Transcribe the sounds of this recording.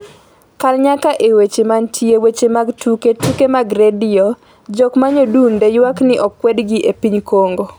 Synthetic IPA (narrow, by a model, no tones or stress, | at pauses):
kalɲakaʔewet͡ʃemantʰjewet͡ʃemaɡtʰuketukemaɡɾedɪo | d͡ʒɔkmaɲodundejwaknɪʔɔkːwɛdɡiʔepiɲkoŋɡo